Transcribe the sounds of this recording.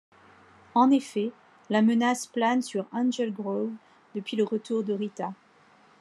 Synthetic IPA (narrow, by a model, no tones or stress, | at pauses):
ɑ̃nefɛ | lamənasplansyʁãnʒɛlɡʁov | d̪əpɥiləʁət̪uʁd̪əʁit̪a